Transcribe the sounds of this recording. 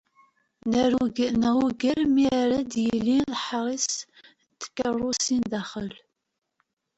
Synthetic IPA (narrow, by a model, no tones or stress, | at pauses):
nəɾuuɡənæwuɡəɾmiɾæd̪jəlːinðħɾˤis | t̪ːə̥kːərˤːusind̪æχəl